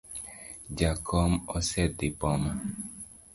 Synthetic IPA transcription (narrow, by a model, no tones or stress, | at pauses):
d͡ʒakʰɔmɔsɛd̪ipɔma